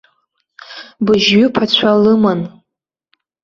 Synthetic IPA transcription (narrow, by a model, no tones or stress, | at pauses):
bɨʒɥʊpʰat͡ɕʷʰalɨman